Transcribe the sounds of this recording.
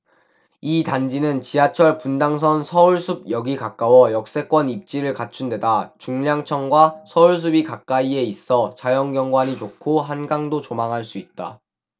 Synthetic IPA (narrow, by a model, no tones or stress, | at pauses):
itand͡ʑinɯnt͡ɕiɦat͡ɕʰʌɭpundaŋs̬ʰʌnsʰʌuɭsʰub̚jʌɡikak͈awʌjʌk̚s͈e̞k͈wʌnip̚t͡ɕ͈iɾɯɭkat͡ɕʰundwe̞dat͡ɕuŋʎjaŋt͡ɕʰʌŋɡwasʰʌuɭs̬ʰubikak͈aie̞is͈ʌt͡ɕajʌŋɡjʌŋɡwaɲit͡ɕokʰoɦanɡaŋdot͡ɕomaŋɦaɭs͈uit̚t͈a̰